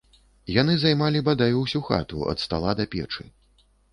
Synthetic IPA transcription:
janɨzajmalʲibad̪ajuwsʲuxa̰t̪ṵʔɐ̰t̪st̪a̰lˠad̪ɐpʲɛ̰t͡ʂɨ̰

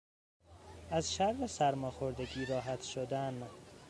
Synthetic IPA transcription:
æzʃæɾvesæɾmɒːxoɾd̪eɡiːɾɒːɦæt̪ʃod̪æn

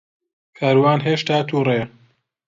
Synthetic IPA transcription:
kʰaːɾwaːnɦeːʃt̪aːt̪ʰuːre

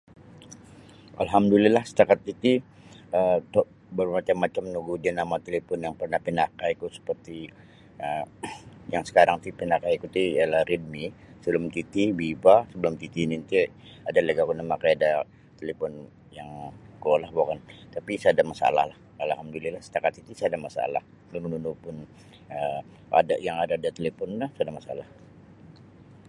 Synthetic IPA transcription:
ʔa̰lɦamdulalahsə̥t̪akat̪̚it̪i | ət̪ɔʔ | bəɾumat͡ʃamːat͡ʃamnuɡudianamat̪elepɔnjaŋpərnahpinakaikusə̥pərt̪i | ə | jaŋsə̥kaɾaŋt̪ipenakaikut̪ijalahrid̪̚misəbəlʊmk̪it̪ibibasəbəlʊmk̪it̪inint̪ɛ | adaləɡakunamakajada | t̪elepɔn | jaŋkolahbokant̪apisəadamasa̰la̰hlah | alaɦamdulilahsə̥t̪akat̪̚it̪isəadamasa̰la̰h | nunununupʊn | ə | a̰da̰jaŋadaːdat̪elepɔnːasadamasa̰lah

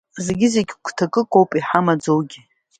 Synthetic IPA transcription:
zeɡʲɪzeɡʲkʷʰtʰakʼɨkʼowpʼiħamad͡zowɡʲi

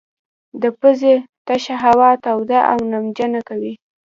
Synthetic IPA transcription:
d̪əpəzet̪aʃaɦawɑt̪awd̪aʔa̰wnamd͡ʒanakawi

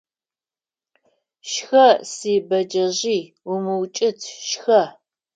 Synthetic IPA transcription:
ʃxɐsiːbɐd͡ʒɐʑiː | wʊmɨwt͡ʃʼɪtʰʃxɐ

